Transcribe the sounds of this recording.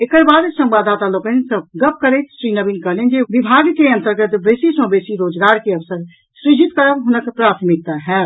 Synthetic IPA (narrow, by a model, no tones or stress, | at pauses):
eːkəɾbaːd̪sə̃mbaːd̪at̪aloːkənsə̃ɡəp̚ʰkəɾet̪sɾiːnəbinkəɦlind͡ʒeʋibʱaːɡkeə̃nt̪əɾɡət̪bəsisə̃besiɾoːd͡ʒɡaːɾkeəʋsəɾ | sɾɪd͡ʒʱit̪kəɾəbɦʊnəkpɾaːt̪ʰmik̚t̪aɦɛ